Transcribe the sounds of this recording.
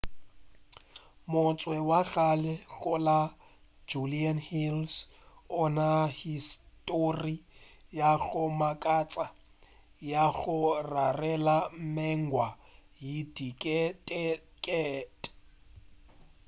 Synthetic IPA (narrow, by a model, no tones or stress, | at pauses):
mʊt͡sʼwɛwaɣalɛɣʊla | d͡ʒulianhils | ʊnahistʼorijaɣʊmakʼat͡sʼa | jaɣʊrarɛlam̩mɛŋɡwa | jidikʼtʼkʼɛːtʼ